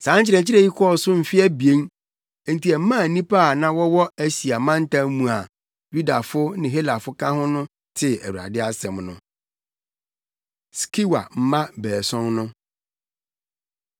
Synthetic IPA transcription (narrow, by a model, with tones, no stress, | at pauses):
sã˨˦t͡ɕɪ˨ɾɛ˨t͡ɕʰi˦ɾɛ˨ji˦kʰɔ˦˨sʊ˦m̩˨fɪ˦æ˦bi˨ẽ˦ŋ˨ | n̩˨ti˨ɛ˨m̩˦mã˦˨nĩ˦pʰa˦˨nã˦wɔ˦wɔ˦æ˦si˨a˨mã˦n̩˦tã˦mũ˨a˨ | ju˦da˨fʊ˦nɪ̃˨ɦe˦la˨fʊ˦kʰã˦hʊ̃˦nʊ̃˦ | tʰɪ˨æ̰˨wu˨a̰˨dɪ˦a˦sɛ̃˨mnʊ̃˦ | skʰi˦wa̰˨m̩˦mã˦bɛː˨sɔ̃˦nnʊ̃˦